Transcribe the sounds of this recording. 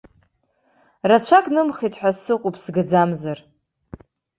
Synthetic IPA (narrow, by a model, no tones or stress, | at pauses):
rat͡ʃʷʰakʼnɨmχitʰʼħʷᶣassɨqʼʊpʰʼsɡɨd͡zamzar